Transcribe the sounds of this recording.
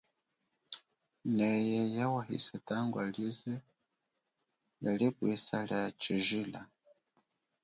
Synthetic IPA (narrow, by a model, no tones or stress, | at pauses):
nɛjɛjawahḭsɛtaŋɡwalizɛ | jalibwisaljat͡ʃiʒila